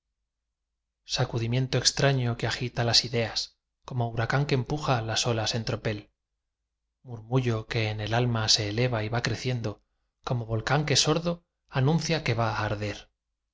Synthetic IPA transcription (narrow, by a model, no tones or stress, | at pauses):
sakuðimje̞nt̪oe̞kst̪ɾaɲo̞keaxit̪alasiðe̞as | ko̞mo̞uɾakaŋke̞ːmpuxalaso̞lase̞nt̪ɾo̞pe̞l | muɾmuʝo̞ke̞ːne̞lalmase̞ːle̞βaiβakɾe̞θje̞nd̪o̞ | ko̞mo̞βo̞lkaŋke̞so̞ɾðo | anũn̟θjake̞βaːɾðe̞ɾ